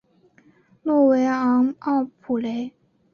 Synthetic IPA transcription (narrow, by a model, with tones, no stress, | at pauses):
lwɔ˥˩we˧˥ɪɑ˧˥ŋɑ˥˩ʊpʰu˨˩le˧˥ɪ